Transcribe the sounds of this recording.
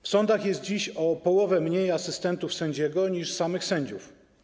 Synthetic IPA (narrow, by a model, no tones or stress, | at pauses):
fsɔnd̪axjɛst̪̚d͡ʑiɕɔpɔwɔvɛmɲejasɘst̪ɛnt̪ufsɛɲd͡ʑɛɡɔɲiʂsamɘxsɛɲd͡ʑuf